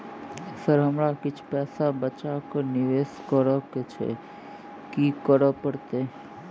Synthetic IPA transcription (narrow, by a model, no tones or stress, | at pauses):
səɾɦəmɾakɪt͡ʃʰpɛsabət͡ʃakəniʋeskəɾəket͡ʃʰḛ | kikəɾəpəɽt̪e